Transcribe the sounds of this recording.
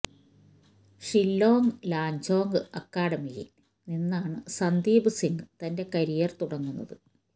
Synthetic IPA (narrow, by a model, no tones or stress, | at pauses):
ʂilːo̞ːŋlaːɲd͡ʑo̞ːŋɡɨɐkːaːɽɐmijḭ | ninːaːɳɨsɐnd̪iːbɨsiŋɡɨt̪ɐnde̞kɐɾijɐrt̪uɽɐŋːunːɐ̰ðɨ